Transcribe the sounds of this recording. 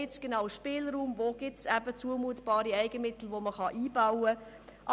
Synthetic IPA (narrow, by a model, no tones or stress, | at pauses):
ɪtt͡sɡ̥enɑʊʃpɪːlɾuːmvoːɡ̥ɪtsæbət͡suəmuətb̥ɑːɾiɛɪɡəmɪtl̩ʋoməχɑʔiːbawə | ʔɑ